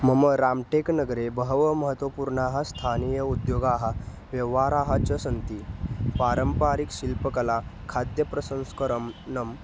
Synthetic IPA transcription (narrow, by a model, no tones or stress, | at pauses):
məməɾamʈeknəɡɾebəɦʋəməɦət̪ʋəpuɾɳaɦast̪ʰanijəud̪joɡaɦa | ʋjəʋaɾaɦat͡ɕəsənt̪ipaɾəmpaɾikɕilpəkɐlakʰad̪jəpɾəsə̃nskəɾəmnəm